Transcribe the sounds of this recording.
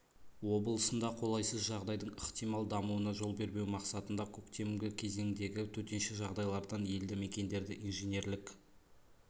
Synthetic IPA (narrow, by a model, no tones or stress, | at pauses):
wo̞bəlˠəsənd̪ɑqʰo̞lˠɑjsəzʒɑʁd̪ɑjd̪əɴəχt̪ijmɑlˠd̪ɑmuwənɑʒo̞lˠbe̞ɾbe̞wmɑqsɑt̪ənd̪ɑkʲʰɵkt̪e̞mɡʲɪkʲʰe̞ze̞ŋd̪e̞ɡʲɪt̪ʰɵt̪e̞nʃeʒɑʁd̪ɑjlˠɑɾd̪ɑnje̞ld̪ɪme̞kʲe̞nd̪e̞ɾd̪ɪʔinʒene̞ɾlɪk